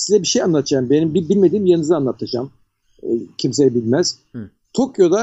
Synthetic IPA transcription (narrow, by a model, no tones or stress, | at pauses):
sizɛbiʃejanlˠat̪ʰɯd͡ʒaːmbenimbibilʲme̞d̪iːmjanɯzanlˠat̪ʰːad͡ʒa̰m | cʰims̬eɾɛbilʲmæz̥ | t̪ʰokjo̞d̪a